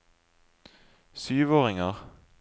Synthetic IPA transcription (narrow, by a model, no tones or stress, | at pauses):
syːʋoːʁɪŋəʁ